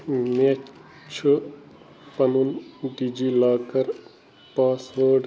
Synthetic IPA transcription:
me | t͡ʃʰu | pɐnunɖiːd͡ʒiːlaːkɐɾ | paːsʋoːɾɖ

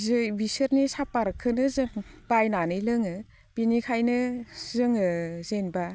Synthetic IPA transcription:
zɯbisɯɾnisapaɾkʰːɯnɯzɯŋb̥ajnanɯjlɯŋɯ | b̥inikʰajnɯzɯŋɯzenba

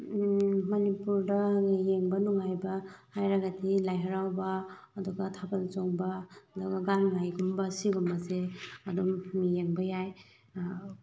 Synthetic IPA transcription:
mɐnipuɾdɐjeŋbɐnuŋajbɐhajɾaɡadilajɦaɾawbɐːduɡɐtʰabalt͡ʃoŋbaduɡɐɡanŋajɡumbɐsiɡumɐzeɐdumːijeŋbɐjaj

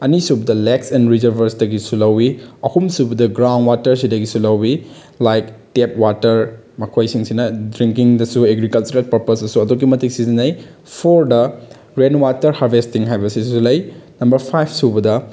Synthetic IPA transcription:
ɐnisubɐdɐleksɛnɾizɐɾbʱɐɾsdɐɡisulɐwiɐhumsubɐdɐɡɾawnwatɐɾsidɐɡisulɐwi | lajktep̚watɐɾ | mɐkʰojsiŋsinɐdɾiŋkiŋdɐsueɡɾikɐlt͡ʃuɾelpɐɾpɐsɐsuɐdoɡimɐtik̚sizinɐj | pʰoɾdɐ | ɾenwatɐɾhaɾbʱesttiŋɦajbɐsiulɐjnɐmbɐɾpʰajpʰsubɐdɐ

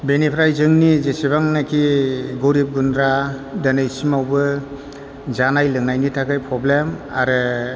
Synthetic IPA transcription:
benipʰɾajzɯŋnizesibaŋnakʰiɡoɾip̚ɡunɾadanajsimawbɯ | zanajlɯŋnajnitʰakajpʰɾɔblema̰ɾɯ

